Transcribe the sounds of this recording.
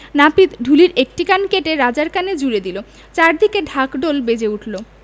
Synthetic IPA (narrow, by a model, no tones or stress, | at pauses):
napit̪ɖʱuliɾek̚ʈikankeʈeɾad͡ʑaɾkaned͡ʑuɾed̪ilo | t͡ɕaɾd̪ʱikeɖʱakɖolbed͡ʑeuʈʰlo